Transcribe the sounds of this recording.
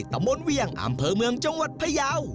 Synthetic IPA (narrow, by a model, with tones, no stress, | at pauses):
t̪a˧˦mbo˧nwi˧˩əŋʔa̰˧mpʰɤː˧mɯ˧əŋt͡ɕa˧ŋwa˨˩t̪̚pʰa˧jaː˧˥w